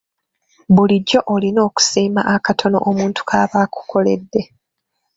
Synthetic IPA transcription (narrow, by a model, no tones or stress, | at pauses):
βuliɟːo̞ʔolino̞ːku̥siːma̰ʔakatʰo̞no̞̰ʔomuːntu̥kʰaːβaːku̥kʰo̞le̞̰dːe̞